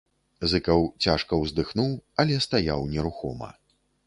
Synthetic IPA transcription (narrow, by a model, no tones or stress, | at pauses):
zɨkɐwt͡sʲaʂkɐwzd̪ɨxnuwɐlʲɛst̪ajawnʲɛɾuxɔ̰mɐ̰